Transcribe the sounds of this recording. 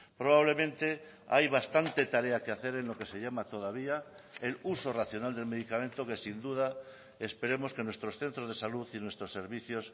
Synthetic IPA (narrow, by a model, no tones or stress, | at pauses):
pɾoβ̞aβ̞le̞mẽnt̪e̞ | a̰jβ̞ast̪ant̪e̞t̪aɾeakeaθe̞ɾenlo̞ke̞se̞ʎamat̪o̞ð̞aβ̞ia | elusoraθjonald̪e̞lme̞ð̞ikamẽnt̪oke̞sind̪uð̞a | espe̞ɾe̞mo̞ske̞nwe̞st̪ɾosθe̞nt̪ɾozðesaluθinwe̞st̪ɾose̞ɾβiθjos